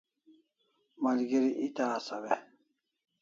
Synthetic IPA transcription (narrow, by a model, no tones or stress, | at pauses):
malɡiɾiʔit̪aːsaβe